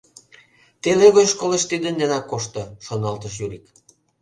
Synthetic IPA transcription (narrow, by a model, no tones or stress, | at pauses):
t̪eleɣojʃkoleʃt̪id̪ənd̪enɑkːoʃt̪ŏʃonɑlt̪əʃjyɾik